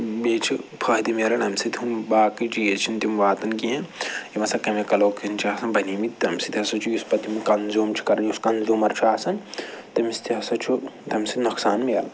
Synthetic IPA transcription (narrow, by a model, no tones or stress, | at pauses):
beːt͡ʃʰipʰɐɦd̪imelɐnɐmsit̪ʲumbaːkit͡ʃijet͡ʃʰint̪imʋaːt̪ɐnkiɦɐ̃imɐsɐkɐmekɐloːkʰint͡ʃʰaːsɐnbɐniːmit̪t̪ɐmsit̪iɐsɐt͡ʃʰujuspɐt̪imikɐnzoːmt͡ʃʰi̥kɐɾɐnuskɐnzuːmɐɾt͡ʃʰaːsɐnt̪ɐmist̪iɐsɐt͡ʃʰut̪ɐmsit̪nɐksaːnmiɐlɐ